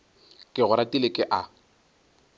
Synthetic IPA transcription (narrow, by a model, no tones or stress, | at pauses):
kʼɪɣʊɾatʼilekʼɪʔa